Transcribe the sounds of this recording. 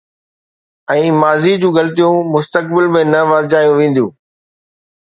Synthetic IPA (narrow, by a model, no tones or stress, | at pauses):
ɛ̃ːmaːzid͡ʑũːɣɐlt̪ijũmʊst̪ək̚bɪlmẽnɐʋɐɾd͡ʑaːjũʋẽːn̆d̪jṵ̃ː